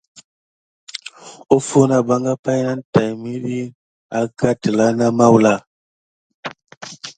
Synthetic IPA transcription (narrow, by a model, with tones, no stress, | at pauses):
o˦fu˦na˦ba˦ŋɡa˦pa˦jna˦n˦ta˨jmi˦ɗi˦ | a˦ka˦tə˨la˦na˦ma˦wla˦